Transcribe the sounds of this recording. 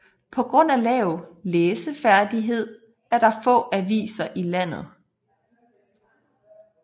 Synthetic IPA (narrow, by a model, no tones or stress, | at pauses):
pʰɒ̽ɡ̥ʁɔ̽n̰ælɛːʊleːsəfæɐd̥iɦe̝ð̞̰ˠ | æɐɾ̥ɑ̈fɔ̰̽ːæʋḭːsɐʔilæn̰ð̞̩ˠ